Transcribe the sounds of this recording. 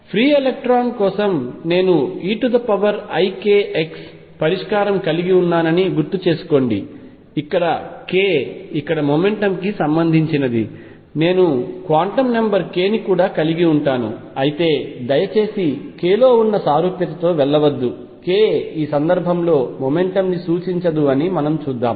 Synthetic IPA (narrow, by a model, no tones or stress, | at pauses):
pʰɾiːelek̚ʈɾaːnkɔːsɐmne̞ːnuiːʈud̪ɐpɐʋɐɾɐjke̞ːʔeks | pɐɾiʂkaːɾɐmkɐliɡiunːaːnɐniɡuɾt̪ut͡ʃeːsu̥ko̞ːɳɖiː | kːɐɽɐke̞ːikːɐɽɐmoːme̞ɳʈɐmkisɐmbɐnd̪ʱiɲt͡ʃinɐd̪ḭ | ne̞ːnukʋaːɳʈɐmnɐmbɐɾke̞ːnikuːɽaːkɐliɡiuɳʈaːnṵ | ɐjit̪e̞ːd̪ɐjɐt͡ʃe̞ːsike̞ːlo̞ːunːɐsaːɾuːpjɐt̪ɐt̪o̞ːʋɛɭːɐʋɐd̪ːu | keːiːsɐnd̪ɐɾbʱɐmlo̞ːmome̞ɳʈɐmnisuːt͡ʃiɲt͡ʃɐd̪uɐnimɐnɐmt͡ʃuːd̪ːa̰ːm